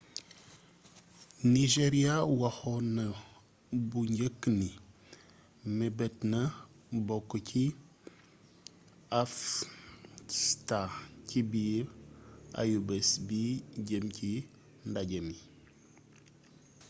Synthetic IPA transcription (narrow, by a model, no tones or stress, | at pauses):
niʒeɾiawahonə | buɲɟəkːni | mebetnə | bokːcʰi | af | istacibi | a̰jubesbiɟemki | ndaɟemi